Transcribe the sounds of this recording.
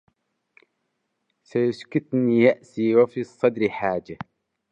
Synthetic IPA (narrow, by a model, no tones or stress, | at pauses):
sajʊskʊt̪nijaʔsiːwafiːsˤːɑd̪ɾiħaːd͡ʒa